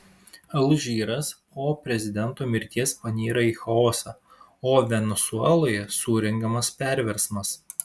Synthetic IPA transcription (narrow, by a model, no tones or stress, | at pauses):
ɐlˠʊʒʲiːɾɐs | oːpʲɾʲɛzʲɪd̪ʲɛnˑt̪uːmʲɪɾʲt̪ʲiɛspɐnʲiːɾɐiːxɐoːsɐ | oːʋʲɛnʲɛsʊɛlˠoːjɛsuːɾʲɛŋɡɐmɐspʲæˑɾʲʋʲɛɾsmɐs